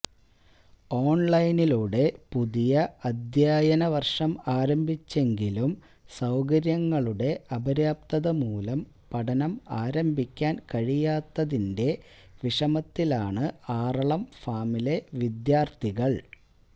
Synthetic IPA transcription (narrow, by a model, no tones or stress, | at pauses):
o̞ːɳlɐjniluɽe̞puðijɐɐd̪jaːjɐnɐʋɐrʂɐmaːɾɐmbʱit͡ɕːe̞ŋɡilum | sɐwkɐɾjɐŋːɐɭuɽe̞ʔɐbɐɾjaːp̚t̪ɐðɐmuːlɐm | pɐɽɐnɐmaːɾɐmbʱikʲːaːnkɐɻijaːt̪ːɐðinde̞ | ʋiʂɐmɐt̪ːilaːɳɨaːrɐɭɐmfaːmileʋid̪jaːrt̪ʰiɣɐɭ